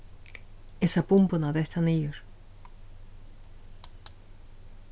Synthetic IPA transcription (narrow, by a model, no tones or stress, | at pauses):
esapumpunaðeht̪ʰanijuɾ